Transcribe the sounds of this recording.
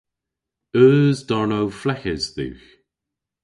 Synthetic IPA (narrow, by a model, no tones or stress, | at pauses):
œːzdɔɹnowflɛxɪz̥ðʉ̰ːx